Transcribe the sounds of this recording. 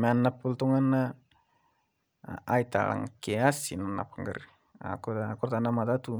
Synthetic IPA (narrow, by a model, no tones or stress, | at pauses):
manːapult̪uŋanːa | ajt̪a̰la̰ŋkeasinana̰paŋɡə̰ɾ | a̰kakuɾt̪anamat̪at̪u